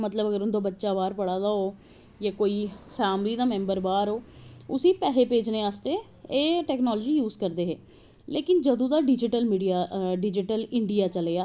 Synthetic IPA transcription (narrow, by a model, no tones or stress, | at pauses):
mət̪ləbəɡəɾʊnd̪õːbətːʃaːbaːɾpəɽaːd̪aːoː | jaːkoːiːfʰɛːmliːd̪aːmɛ̃ːmbəɾbaːɾoːʊsĩːpɛːɦeːpeːd͡ʒneːaːst̪eː | eːʈɛːknɔːlːd͡ʒiːjuːzkəɾd̪eːɦeː | leːkɪnd͡ʒəd̪õːd̪aːɖɪd͡ʒɪʈəlmiːɖijaːɖɪd͡ʒɪʈəlɪɳɖijaːt͡ʃəleːaː